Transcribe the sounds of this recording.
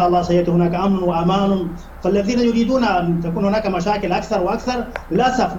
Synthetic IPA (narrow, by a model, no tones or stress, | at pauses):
ʔɑlˤːɑːsajɪʔt̪hʊnaːkaʔamɾʊnwaʔamaːlʊn | falːaðiːnajʊɾiːd̪uːnaʔant̪akuːnhʊnaːkamaʃaːkɪlʔakθɑɾˤwɪʔakθɑɾˤlaːsaf